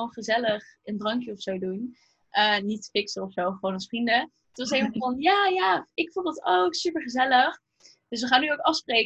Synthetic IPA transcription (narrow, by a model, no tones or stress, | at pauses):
onχəzɛləχəndrɑŋkjəɔfsowdun | ʔəːnitə̥fɪksəɔfsowχəʋoːnɑsfrində | ətʋɑsejməəvɑnjaːjaːɪkfunlˠdɑtowksypəɹχəzɛləχ | d̥ɵs̬ʋəχaːnːyowkɑfsprejk